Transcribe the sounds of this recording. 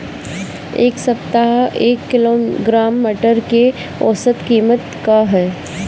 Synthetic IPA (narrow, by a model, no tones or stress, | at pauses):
eːksɐpt̪aɦeːkːɪloːɡɾaːmːiʈəɾke | ɔːsət̪kiːmət̪kaɦɛː